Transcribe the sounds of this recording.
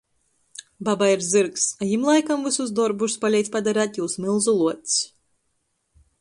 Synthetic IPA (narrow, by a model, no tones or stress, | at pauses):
babaiɾzɨɾksajimlˠajkamvɨsuz̬d̪ɔɾbuʃspalʲɛjt̪ʲpad̪aɾaːt̪juwsmilˠzulˠuɔt̪s